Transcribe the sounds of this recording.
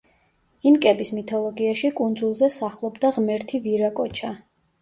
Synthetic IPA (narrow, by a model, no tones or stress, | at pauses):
inkʼɛbismit̪ʰɔlˠɔɡiaʃikʼund̪zulˠzɛsaχlˠɔbd̪aʁmɛɾt̪ʰiviɾakʼɔt͡ʃʰa